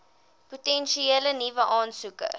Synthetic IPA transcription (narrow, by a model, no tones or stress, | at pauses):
putɛnʃieːlənivəʔɑːnsukə̰